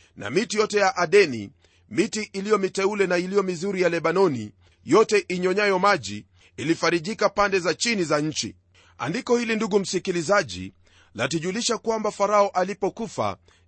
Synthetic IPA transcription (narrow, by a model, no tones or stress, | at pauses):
na̰mitijɔtɛjaʔaɗɛnḭ | mitiʔilijɔmitɛulɛnailijɔmizuɾijalɛɓanɔnḭ | jɔtɛʔiɲɔɲajɔmaʄḭː | lifaɾiʄikapandɛzat͡ʃinizaɲ̩t͡ʃḭ | a̰ndikɔhilinduɠum̩sikilizaʄḭ | latuʄuliʃakwambafaɾaɔʔalipɔkufa̰